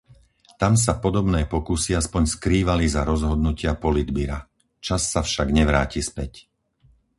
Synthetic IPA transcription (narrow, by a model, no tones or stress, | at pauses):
t̪ams̬apɔd̪ɔbnɛːpɔkusiaspɔɲskɾiːʋalizaɾɔzɦɔd̪nucɪapɔlid̪biɾa | t͡ʃasːafʃaɡɲɛʋɾaːcispɛc